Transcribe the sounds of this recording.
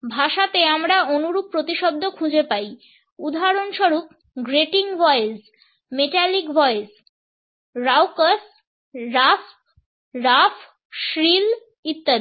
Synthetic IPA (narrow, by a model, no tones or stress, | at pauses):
bʱaʃat̪eamɾaonuɾup̚pːɾot̪iʃob̚d̪ʱːokʰud͡ʑepaj | ud̪ʱaɾonʃoɾup̚ | ɡɾeʈiŋbɔjes | meʈalikbɔes | ɾawkas | ɾaf | ɾafʰ | ʃɾil | it̪ːa